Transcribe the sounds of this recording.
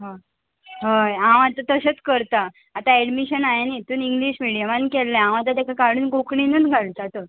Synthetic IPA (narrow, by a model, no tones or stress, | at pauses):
ɦã | ɦəjãw̃at̪at̪əset͡skəɾt̪aː | t̪aɛɽmiɕənajenit̪uːniŋɡliɕmiɽijamankɛlːeãʋ̃at̪̬at̪jakakaɽuːnkokɳinəːnɡʱalt̪at̪ə